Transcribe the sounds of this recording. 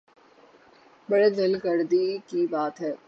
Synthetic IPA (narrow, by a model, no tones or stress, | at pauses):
bɐɽed̪ɐlkɐɾd̪ikibaːt̪ɦɛː